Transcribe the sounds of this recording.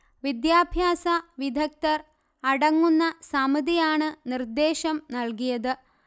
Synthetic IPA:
ʋid̪jaːbʱjaːsɐʋid̪ʱɐk̚t̪ɐr | ɐɽɐŋːunːɐsɐmɐd̪ijaːɳɨnird̪eːʃɐmnɐlkijɐðɨ

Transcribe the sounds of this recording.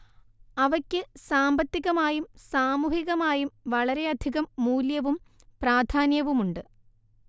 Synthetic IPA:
ɐʋɐkʲːɨsaːmbɐt̪ːiɣɐmaːjumsaːmuːhiɣɐmaːjumʋɐɭɐɾe̞ɐd̪ʱiɣɐmːuːljɐʋum | praːd̪ʱaːnjɐʋumuɳɖɨ

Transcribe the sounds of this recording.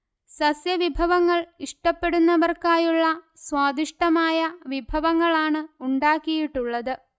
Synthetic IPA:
sɐsjɐʋibʱɐʋɐŋːɐɭiʂʈɐpːe̞ɽunːɐʋɐrkaːjuɭːɐswaːd̪ʱiʂʈɐmaːjɐʋibʱɐʋɐŋːɐɭaːɳɨuɳɖaːkːijiʈːuɭːɐðɨ

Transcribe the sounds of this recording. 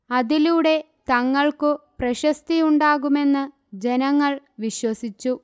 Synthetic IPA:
ɐðiluːɽe̞ | t̪ɐŋːɐɭkɨprɐɕɐst̪ijuɳɖaːɣume̞nːɨ | d͡ʑe̞nɐŋːɐɭ | ʋiɕwɐsit͡ɕːu

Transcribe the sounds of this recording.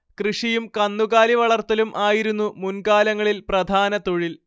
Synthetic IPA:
krɨʂijumkɐnːuɣaːliʋɐɭɐrt̪ːɐlumʔaːjiɾunːumunkaːlɐŋːɐɭilprɐd̪ʱaːnɐt̪oɻil

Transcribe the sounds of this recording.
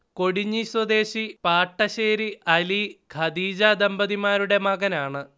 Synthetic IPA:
ko̞ɽiɲːiswɐd̪e̞ːɕipaːʈːɐɕeːɾiʔɐliɡʱɐd̪iːd͡ʑad̪ɐmbɐðimaːɾuɽe̞mɐɣɐnaːɳɨ

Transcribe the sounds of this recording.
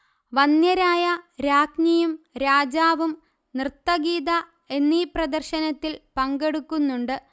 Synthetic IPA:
ʋɐnjɐɾaːjɐɾaːknijumɾaːd͡ʑaːʋum | nrɨt̪ːɐɡiːd̪ɐ | e̞nːiːprɐd̪ɐrɕɐnɐt̪ːilpɐŋɡe̞ɽukːunːuɳɖɨ

